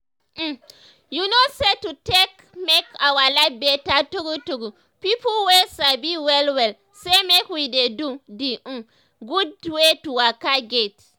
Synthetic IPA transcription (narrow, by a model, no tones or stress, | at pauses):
junosetutek | mekawalabetatuɡutuɡu | pipulwesabiwɛlwɛl | semekwidedudiʔ̩ | ɡudwetuwakaɡet